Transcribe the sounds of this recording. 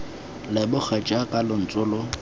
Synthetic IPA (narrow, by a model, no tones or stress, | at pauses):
lɪbʊk͡xʰat͡ʃʼakʼalʊn̩t͡sʼʊːlʊ